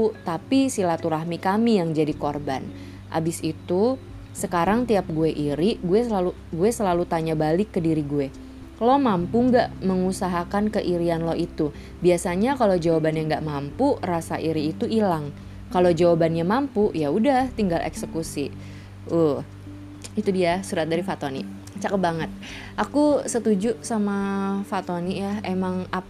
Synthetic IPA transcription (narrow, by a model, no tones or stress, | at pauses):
ut̪apisilat̪uɾahmikamijaŋd͡ʒadikorba̰n | ʔa̰bɪsit̪u | səkaɾaŋt̪iap̚ɡueʔiɾiɡuɛsalu | ɡuɛsəlalut̪aɲabalɪkːədiɾiɡuɛ | lɔhmampuŋɡaʔməŋusaɦakankəʔiɾianlɔhit̪u | biasaɲakalowd͡ʒawabanjaŋɡaʔmampurasa̰ʔiɾiːt̪uilaŋ | kalod͡ʒawabanjamampujaudaht̪iŋɡalʔḛksəkusi | uh | it̪udiasuɾat̪̚daɾifat̪onḭ | t͡ʃakəbaŋət̪̚ | ʔakusət̪ud͡ʒusamafat̪onijaemaŋa